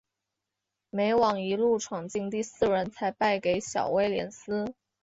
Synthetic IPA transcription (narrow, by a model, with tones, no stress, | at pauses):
me˧˥ɪwɑ˨˩ŋi˧˥lu˥˩ʈ͡ʂʰɑ˨˩ŋt͡ɕi˥˧ŋt̪i˥˧sɹ̩˥˩ɻə˧˥nt͡sʰa˧˥ɪpa˥˩ɪke˧˩˥ɪɕjɑ̰˨˩ʊwe˥˧ɪljɛ̰˧˥nsɹ̩˥